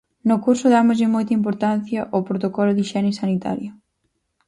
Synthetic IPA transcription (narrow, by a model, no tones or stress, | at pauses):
nʊkuɾsʊðamʊzʎɪmɔjt̪ɐimp̬oɾt̪anθjɐʔopɾot̪okɔlʊðiʃɛnɪsanit̪a̰ɾjʊ